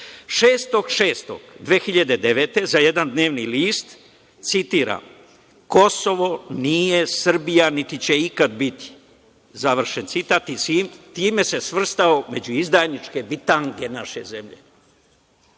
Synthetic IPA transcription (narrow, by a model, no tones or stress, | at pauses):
ʃeːst̪o̞ɡʃe̞ːst̪o̰ɡd̪ʋeːxiʎad̪e̞d̪e̞ʋeːt̪e̞zajed̪and̪ne̞ːʋniliːst̪ | t̪sit̪iːɾa̰m | ko̞soʋo̞nije̞sr̩bijanit̪it͡ɕe̞ikad̪bit̪i̥ | zaʋr̩ʃent̪sit̪aːt̪isiːmt̪iːme̞se̞sʋr̩st̪aome̞d͡ʑuizd̪ajnit͡ʃke̞bit̪aŋɡenaʃe̞̰ze̞mʎḛ